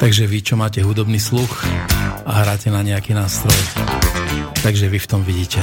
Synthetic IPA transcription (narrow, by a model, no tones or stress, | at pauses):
t̪aɡʒɛʋit͡ʃɔmaːcɛɦud̪ɔbniːslux | aɦɾaːcɛnaɲɛakinaːst̪ɾɔj | t̪aɡʒɛʋift̪ɔmʋiɟiːcɛ